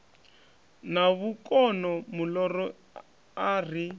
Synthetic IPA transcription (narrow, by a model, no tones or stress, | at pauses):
naβukɔnɔmulɔrɔ | ar̤i